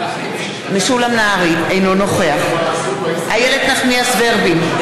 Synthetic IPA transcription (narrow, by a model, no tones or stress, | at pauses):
meʃulamnaaʁiejnono̞χe̞aχ | hajele̞d̪naχniasveʁbim